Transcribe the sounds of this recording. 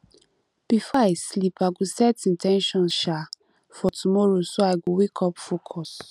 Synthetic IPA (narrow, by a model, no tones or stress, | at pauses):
b̥ifɔaɪslipaɡosɛtĩntʰɛ̃nʃɔ̃nʃa | fɔtumɔɹosoaɪɡowekʰɔpfokʰɔs